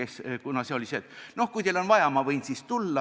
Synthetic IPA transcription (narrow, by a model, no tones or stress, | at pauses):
eskunɑse̞olʲiseːt̪ːˑno̞hkujt̪elo̞nvɑjɑmɑvɤjnsist̪ulːɑ